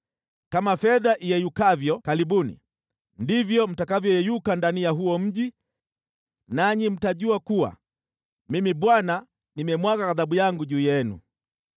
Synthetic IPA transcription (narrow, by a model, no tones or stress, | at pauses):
kamafɛðaʔijɛjukavjɔkalibunḭ | ndivjɔm̩takavjɔjɛjukandanijaɦuɔm̩ɟi | naɲim̩taɟuakuwa̰ | mimiɓwana | nimɛmwakaːðaɓujaŋɡuɟuːjɛnṵ